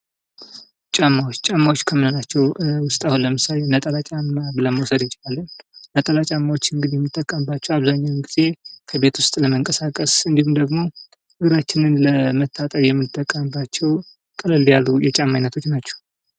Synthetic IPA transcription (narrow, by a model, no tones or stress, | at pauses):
t͡ʃʼamːawot͡ʃːt͡ʃʼamːawot͡ʃːkʰəmɨnonat͡ʃːɛwwʊst̪ʼahunləmɨsalenət̪ʼəlat͡ʃʼamːabɨləməwsəd̪ɨnt͡ʃʼɪlalːənnət̪ʼəlat͡ʃʼamːawo̞t͡ʃːɨŋɡɨd̪ijɛmːɨt̪ʼːəkʼːəmbat͡ʃːɛwaβzaɲːawmɡiz̥e̞kʰəbe̞t̪wʊst̪ʼləməŋkʼəsakʼəsɨnd̪ihumd̪əɡmo̞ | ɨɡɨɾat͡ʃːɪnɨnləmət̪ʰːat̪ʼəɾjɛmːɨt̪ʼːəkʼːəmɨbat͡ʃːɛw | kʼɨlɨljalːujɛt͡ʃʼamːajnːət̪ʰo̞t͡ʃːnat͡ʃːɛ̥